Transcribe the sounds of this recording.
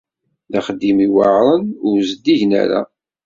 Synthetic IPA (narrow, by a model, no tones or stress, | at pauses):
ðaχəd̪ːimiwaʕɾˤənʊɾzəd̪iʝnæ̰ɾa̰